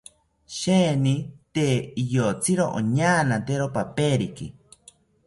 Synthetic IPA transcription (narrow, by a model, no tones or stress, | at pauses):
ʃenit̪eijot͡sʰiɾoʔo̰ɲaːnat̪eɾopapeɾikḭ